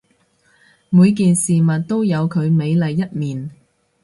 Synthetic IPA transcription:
muː˨˧jk̬iː˨nsiː˨˩mɐ˨t̚t̪o˥wjɐ˨˧wkʰɵ˨˧ɥme˨˧jlɐ˨jːɐ˥t̚miː˨n

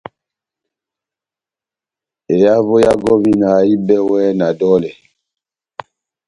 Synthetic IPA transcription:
e˨ja˦vo˦ja˦ɡɔ˦vi˦na˨i˦bɛ˦wɛ˦na˨dɔ˦lɛ˨

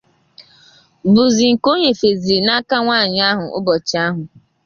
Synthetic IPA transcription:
bʊ˨zi˨ŋ̩˨ko˦ɲe˨fe˨zi˨na˦ka˦ŋʷaː˦˨ɲɪ˨˦a˦ɦʊ˨ʔʊ̰˦bɔ˨t͡ʃa˦ɦʊ˨

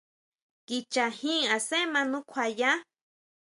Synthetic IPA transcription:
ki˧t͡ʃa˨hĩ˦˧a˨sẽ˦mã˧nũ˦kʷʰa˧jã˦

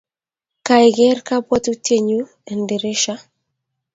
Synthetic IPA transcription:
ka˨ɪ˨ɡɛ˦rka˦pwɔ˦tu˦tʰe˦˨ɲu˦ | ɛ˨nde˨ɾɪ˦ʃa˦

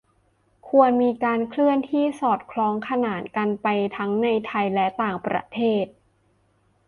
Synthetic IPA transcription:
kʰu˧ənmiː˧kaː˧nkʰlɯ˥˩ənt̪ʰiː˥˩sɔː˨˩t̪̚kʰlɔː˧˥ŋkʰa˧naː˩˦nka˧npa˧jt̪ʰa˦˥ŋna˧jt̪ʰa˧jlɛ˦˥t̪aː˨˩ŋpɾa̰˧˥t̪ʰeː˥˩t̪̚

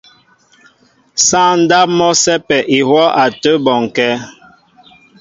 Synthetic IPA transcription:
sa˦˨n̩˦da˦p̚mɔ˦sɛ˦pɛ˨ʔi˨hwɔ˦ʔa˨tə˦bɔ˨ŋ˨kɛ˦

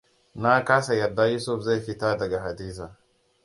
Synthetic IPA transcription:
na˦kaː˦sa˨jɐ˨dːa˦juː˦su˦fza˦˨jɸi˦ta˦dɐ˨ɡa˨ɦa˨diː˦sa˨

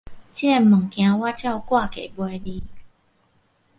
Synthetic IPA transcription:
t͡ɕjɛ˥˩˨mə˨˩ŋkj̃ã˧˦wa˦˥t͡ɕja˥˧ʊwkwa˥˧ke˨˩bwe˧li˧˦

